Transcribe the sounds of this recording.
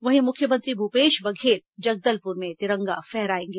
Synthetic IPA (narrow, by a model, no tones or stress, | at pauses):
ʋɐɦĩmʊkʰjəmə̃nt̪ɾibʱupeːʃbɐɡʱeːt̪̚d͡ʒɐɡ̚d̪əlpʊɾmẽt̪ɪɾɐ̃ŋɡa̰fɛɦɾaːẽːŋɡeː